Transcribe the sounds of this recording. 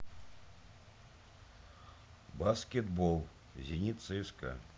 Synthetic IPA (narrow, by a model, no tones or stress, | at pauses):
baskʲɛd̪bɔlˠ | zʲinʲit̪sɨwskɐ̰